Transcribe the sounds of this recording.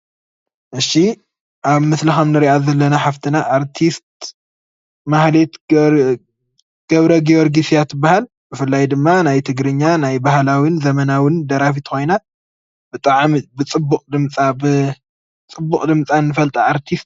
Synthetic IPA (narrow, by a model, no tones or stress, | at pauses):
ʔɨʃi | ʔaβmɨslɐxɐmnɨɾiʔazɐlːɐnaħaft̪ʰinaʔaɾt̪ʰist̪̚ | mahlet̪ | ɡ̥ɐβɾɐɡioɾɡisijat̪ʰːɨbːahal | bɨfɨlːajd̪ɨmːanajt̪ʰɨɡɾɨɲːanajbahlawinzɐmɐnawɪnd̪ɐɾafit̪xo̞jna | bɨt̪ʼaʕmibɨt͡sʼɨbːukʼd̪ɨmt͡sʼabɨ | t͡sʼɨbːukʼd̪ɨmt͡sʼanːɨfɐlt̪ʼaaɾt̪ʰist̪